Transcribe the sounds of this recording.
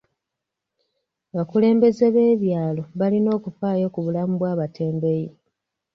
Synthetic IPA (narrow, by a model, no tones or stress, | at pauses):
aβakule̞ːmbe̞ze̞βe̞ːβjaːlo̞βalino̞ːkufaːjo̞kuβulamuβwaːβatʰe̞ːmbe̞ji